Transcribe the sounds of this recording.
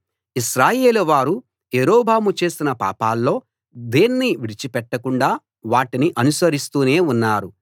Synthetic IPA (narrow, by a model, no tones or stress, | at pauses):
iʃɾaːje̞ːluʋaːɾu | eːɾoːbʱaːmut͡ʃe̞ːsinɐpa̰ːpaːlːo̞ː | d̪eːnːiʋiɽit͡ʃipɛʈːɐkuɳɖaː | ʋaːʈiniʔɐnusɐɾist̪uːne̞ːunːaːɾu